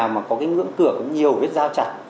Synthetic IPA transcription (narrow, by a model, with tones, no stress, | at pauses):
aː˨˩wmaː˨˩kɔ˨˦kaː˨˦jŋɨ̰˧˥əŋkɨ˧˩əkɔ˨˦ɲi˨˩əwvi˦˥t̚zaː˧wt͡ɕa˨˧˩t̚